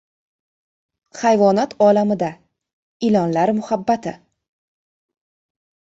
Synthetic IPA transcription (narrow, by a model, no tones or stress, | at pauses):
hajvɒnat̪ʰɒlamɪd̪a | ɪlɒnlaɾmʊhabːat̪ʰɪ